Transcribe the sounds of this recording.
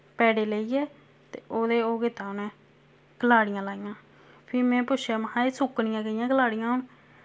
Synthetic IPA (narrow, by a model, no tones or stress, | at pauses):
pɛːɽeːləiːɛː | t̪ḛːʔoːd̪eːoːɡɪt̪aːonɛ̃ː | kəlaːɽɪjãːlaːijãː | pʰɪɾmɛ̃ːpʊt͡ʃʰjaːməɦãːeːsʊknɪjãːɡəijãːkəlaːɽɪjãːɦʊn